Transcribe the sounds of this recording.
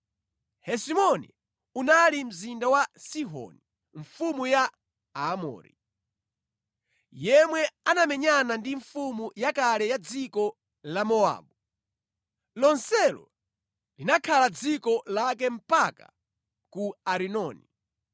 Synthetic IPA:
hɛsimɔnḭ | unalim̩zindawasiɦɔ̰ni | ɱ̩fumuja | amɔ̰ːɾḭ | jɛmwɛanamɛɲanandiɱfumujakalɛjad͡zikɔ | lamɔa̰ːbu | lɔnsɛlɔ̰ | linakʰalad͡zikɔlakɛm̩paka̰ | kuaɾinɔːni

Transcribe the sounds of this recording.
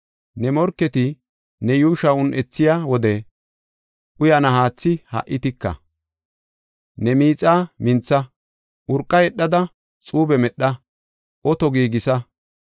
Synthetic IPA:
nɛmɔɾkːɛt̪ɪ | nɛjuːʃɐʊnʔɛt͡sːɪjawɔd̪ɛ | ʔʊjɐnɐɦaːt͡sːɪhɐ̰ʔɪt̪ɪkːɐ̰ | nɛmiːt͡sʼaːmɪnt͡sːɐ | ʔʊɾkʼːɐjɛɗːɐd̪ɐ | t͡sʼuːbɛmɛɗːɐ | ʔɔt̪ɔɡiːɡɪsɐ

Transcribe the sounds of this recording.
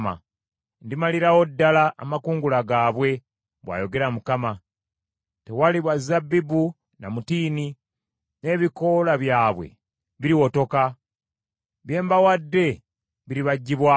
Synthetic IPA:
ma̰ | ndimaliɾawo̞dːalaːmakuːŋɡulaɡaːβwe̞ | βwa̰ːjo̞ɡe̞ɾamukama | tewaliβwazabibu | namutiːni | ne̞ːβiko̞laβjaːβwe̞̰ | βiɾiwo̞to̞ka | βje̞ːmbawadːe̞ | βiɾiβaɟːiβwa

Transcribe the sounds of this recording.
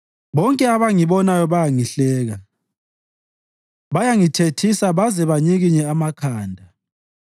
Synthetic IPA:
βɔŋkʼɛaβaŋiβɔnajɔβajaŋiɬɛːɣa | βajaŋitʰetʰisaβazɛβaɲiɣiɲɛamakʰaːndʱa

